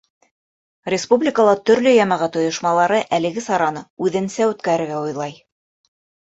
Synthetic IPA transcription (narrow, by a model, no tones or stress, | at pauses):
rʲɪspublʲɪkəlˠɑt̪ɵ̆ɾlɵjɑmɑʁɑt̪ŏjŏʃmɑlˠɑɾɤʔælɘ̆ɡɘsɑɾɑnɤʉðɘ̆nsæʉt̪kæɾɘ̆ɾɡæojlˠɑj